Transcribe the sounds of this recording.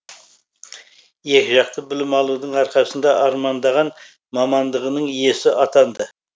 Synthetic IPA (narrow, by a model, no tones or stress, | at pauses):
je̞kʲɪʒɑqt̪ʰəbɪlɪmɑlˠud̪əɴɑɾqɑsənd̪ɑʔɑɾmɑnd̪ɑʁɑn | mɑmɑnd̪əʁənəɴje̞sɪʔɑt̪ɑnd̪ə